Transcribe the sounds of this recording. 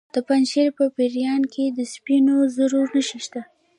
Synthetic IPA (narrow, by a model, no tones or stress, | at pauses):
d̪̥əpanʃeɾpəpeɾjɑnkʰed̪əspinozaɾuɾnəʃiʃt̪a